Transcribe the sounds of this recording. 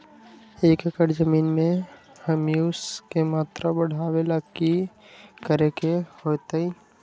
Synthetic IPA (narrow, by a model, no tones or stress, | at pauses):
eːkəkəɾzəmiːnmẽ | həmiʊskemaːt̪ɾabəɽ̤aːwelaki | kəɾekehoːt̪ei